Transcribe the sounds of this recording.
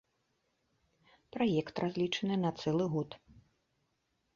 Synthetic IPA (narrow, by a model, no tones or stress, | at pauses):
pɾajɛkt̪rʔazʲlʲit͡ʂɐnɨnɐt̪sɛlˠɨɣɔt̪